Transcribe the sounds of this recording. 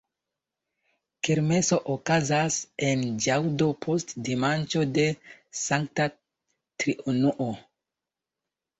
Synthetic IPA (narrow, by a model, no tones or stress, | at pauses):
keɾme̞so̞ʔokazase̞nd͡ʒawdo̞pʰostdimant͡ʃo̞de̞saŋkta | tɾiʔunuʔo